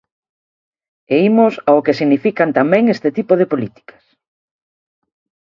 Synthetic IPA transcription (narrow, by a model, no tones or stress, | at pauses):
eimosaʊkesiɣnifikant̪amɛ̃ŋest̪et̪ipoð̞epolit̪i̥kʰɐ̥s